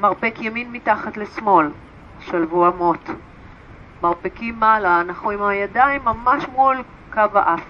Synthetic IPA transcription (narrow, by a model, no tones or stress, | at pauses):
maʁpekjaminmitaχatlesmo̞l | ʃalvuamot | maʁpekimːalaːnaχnuimajadaimːamaʃmul | kavaʔaf